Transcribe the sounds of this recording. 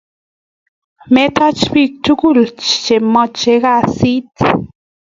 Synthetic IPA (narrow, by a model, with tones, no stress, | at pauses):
me˦t̪a˦t͡ʃbi˦˧k̚t͡ʃu˦ɡu˦˨lt͡ʃt͡ʃe˨mɔ˦t͡ʃe˦ɣa˦˨si˦t̪